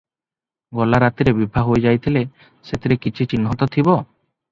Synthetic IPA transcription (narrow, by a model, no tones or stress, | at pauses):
ɡɔlaɾat̪iɾebibʱaɦojd͡ʒajt̪ʰile | set̪ʰiɾekit͡ʃʰit͡ʃinɦɔt̪ɔt̪ʰibɔ